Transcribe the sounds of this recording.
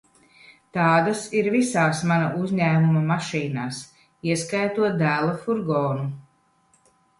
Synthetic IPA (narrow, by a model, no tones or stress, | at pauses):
t̪aːd̪asiɾvisaːsmanaʔuzʲɲæːmumɐmaʃiːnaːs | iɛskajt̪uɔt̪̚d̪æːlˠafuɾɡɔːnu